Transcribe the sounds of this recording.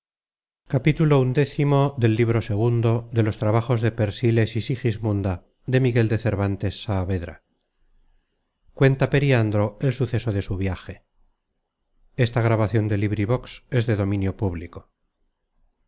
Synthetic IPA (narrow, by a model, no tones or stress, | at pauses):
kapit̪ulound̪e̞θimo̞ðe̞lːiβ̞ɾo̞se̞ɣ̞und̪o̞ðe̞lo̞st̪ɾaβaχo̞zðe̞pe̞ɾsile̞sisixizmũnd̪a | ðe̞miɣe̞ld̪e̞θe̞ɾβant̪e̞sːaːβe̞ðɾa̰ | kwe̞nt̪ape̞ɾiand̪ɾo̞e̞lsuθe̞so̞ðe̞suβjaxe̞ | e̞st̪aɣ̞ɾaβaθjo̞nd̪e̞liβɾiβ̞o̞kse̞zðe̞ðo̞mĩnjo̞puβliko̞